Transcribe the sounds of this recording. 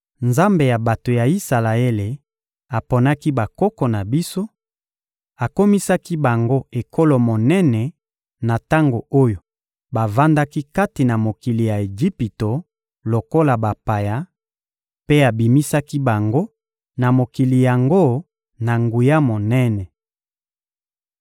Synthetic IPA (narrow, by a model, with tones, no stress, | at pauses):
nza˦mbe˨ja˨ba˨to˨ja˨i˦sa˨la˨e˦le˨ | a˨po˨na˦ki˦ba˨ko˦kɔ˨na˨bi˦so˦ | a˨ko˦mi˦sa˦ki˦ba˨ŋɡo˦e˨kʰo˦lo˨mo˨nɛ˦nɛ˨ | na˨ta˦ŋɡo˨o˦jo˨ | ba˨va˦nda˦ki˦ka˦ti˨na˨mo˨ki˨li˨ja˨e˨d͡ʒi˦pi˨to˨ | lo˨ko˦la˨ba˨pa˨ja˦ | pe˦a˨bi˨mi˦sa˦ki˦ba˨ŋɡo˦ | na˨mo˨ki˨li˨ja˨ŋɡo˦ | na˨ŋɡu˨ja˦mo˨nɛ˦nɛ˨